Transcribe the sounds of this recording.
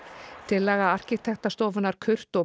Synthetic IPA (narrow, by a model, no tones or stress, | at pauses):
t̪ʰɪlːɛːɣaar̥cɪt̪ʰɛxt̪ast̪oːwvʏnːaɾ̥kʰʏr̥t̪ɔ